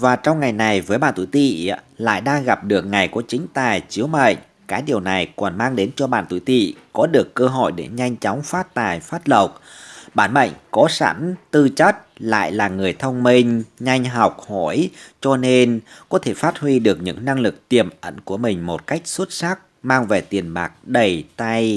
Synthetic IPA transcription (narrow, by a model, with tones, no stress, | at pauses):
vaː˨˩t͡ɕɔ˧wŋ͡mŋa˨˩jna˨˩jvəː˨˦jɓa̰ː˧˨nt̪ṵ˧˨jt̪ḭ˧˨la̰ː˧˨jɗaː˧ŋɣa˨˩p̚ɗɨ˨˩ək̚ŋa˨˩jku˧˩ət͡ɕï˨˦ŋ̟t̪aː˨˩jt͡ɕi˨˦wmə̰˧˨jŋ̟ | kaː˨˦jɗi˨˩əwna˨˩jkɔ˨˩nmaː˧ŋɗe˨˦nt͡ɕɔ˧ɓa̰ː˧˨nt̪ṵ˧˩˨t̪ḭ˧˨kɔ˨˦ɗɨ˨˩əkːəː˧ɦɔ̰˧˩˨jɗe˧˩ɲa˧jŋ̟t͡ɕɔ˨˦wŋ͡mfaː˦˥t̚t̪aː˨˩jfaː˦˥t̚lə˨˩wk͡p̚ɓaː˧˩nɓə̰˧˨jŋ̟kɔ˨˦sa̰˧˥nt̪ɨ˧t͡ɕə˦˥t̚la̰ː˧˨jlaː˨˩ŋɨ˨˩əjt̪ʰə˧wŋ͡mmï˧ŋ̟ɲa˧jŋ̟ɦa˨˩wk͡p̚hɔ˧˩jt͡ɕɔ˧ne˧nkɔ˨˦t̪ʰe˧˩faː˦˥t̚hwi˧ɗɨ˨˩ək̚ɲɨ̰˧˥ŋna˧ŋlɨ˨˩k̚t̪i˨˩əmʔə̰˧˥nku˧˩əmï˨˩ŋ̟mo˨˩t̚ka˦˥jk̟̚swt̚sa˦˥k̚ | maː˧ŋve˨˩t̪i˨˩ənɓaː˨˩k̚ɗə˨˩jt̪a˧j